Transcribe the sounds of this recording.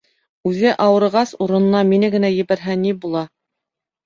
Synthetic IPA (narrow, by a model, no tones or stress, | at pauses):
ʉðɘʔɑwɤ̆ɾɤ̆ʁɑsuɾɤ̆nɤ̆nɑminɘɡɘ̆næjɘ̆βæɾɦænibulˠɑ